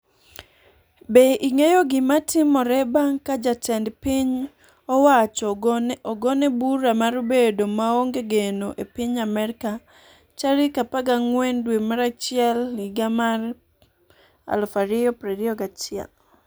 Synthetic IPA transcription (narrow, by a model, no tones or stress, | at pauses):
beʔiŋejoɡɪmatɪmɔɾɛbaŋkad͡ʒatɛndpiɲ | ɔwat͡ʃɔɔɡɔnɛbuɾamaɾbedomaoŋɡeɡenoʔepiɲamɛɾɪka | t͡ʃaɾikapaɡaŋwɛndwemaɾat͡ʃɪɛlɪɡamar | a̰lfaɾɪjɔpɾɛɾɪɔɡat͡ʃɪɛ̰l